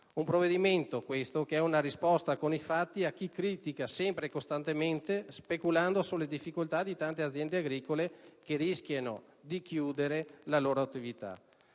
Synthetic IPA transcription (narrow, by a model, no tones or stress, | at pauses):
umpɾoved̪iment̪okwest̪okeɛunaɾispɔst̪akonifat̪ːiak̟ːikɾiːt̪ikasɛmpɾekost̪ant̪ement̪espekuland̪osulːed̪ifːikolt̪ad̪it̪ant̪eat̪zjɛnd̪eaɡɾiːkolekerisk̟jano̰ | d̪ikjuːd̪eɾelaloːɾoat̪ːivit̪a̰